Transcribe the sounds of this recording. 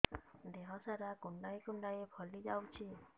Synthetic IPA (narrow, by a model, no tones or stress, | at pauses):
d̪eɦɔsaɾakuɳɖaekuɳɖajepʰɔlid͡ʒawt͡ʃʰi